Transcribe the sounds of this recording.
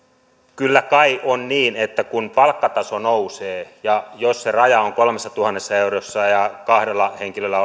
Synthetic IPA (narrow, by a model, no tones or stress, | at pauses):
kylːækɑionniːnet̪ːækunpɑlkːɑt̪ɑsonouseːjɑjosserɑjɑoŋkolmesːɑt̪uhɑnːesːɑeurosːɑjɑkɑhdelːɑheŋkilølːæo